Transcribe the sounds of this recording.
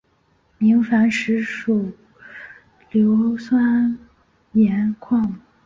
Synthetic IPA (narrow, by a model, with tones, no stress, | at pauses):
mi˧˥ŋfa˧˥nʂɻ̩˧˥ʂu˨˩ | ljo˧˥ʊswa˥n | jɛ˧˥nkʰwɑ˥˩ŋ